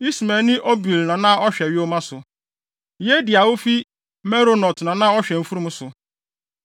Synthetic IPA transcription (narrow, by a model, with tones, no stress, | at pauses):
i˦smɛ̃˨nɪ̃˦ʔo˦bi˨lnã˨nã˦ɔ˦ɕᶣɛ˨ɥɪ˦o˦mã˦sʊ˨ | je˦dɪ˨a˨wo˦fi˦ | mɛ˦ɾo˦nɔ˨tnã˨nã˦ɔ˦ɕᶣɛ̃˨m̩˦fu˦ɾu˦mʊ̃˦sʊ˨